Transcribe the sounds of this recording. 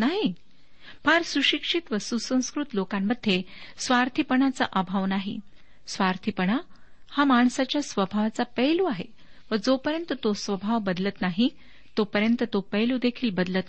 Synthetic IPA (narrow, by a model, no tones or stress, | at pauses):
naɦi | paɾsuɕikʂit̪ʋəsusə̃w̃skɾut̪lokamːəd̪ʱːe | sʋaɾt̪ʰipəɳat͡sa̰ʔabʱaʋnaɦḭ | sʋaɾt̪ʰipəɳ̃a | hamaɳsat͡ɕjasʋəbʱaʋat͡sapəluaɦe | ʋəd͡zopəɾjənt̪ət̪osʋəbʱaʋbəd̪lət̪naɦi | t̪opəɾjənt̪ət̪opəjluːd̪ekʰiːlbəd̪lət̪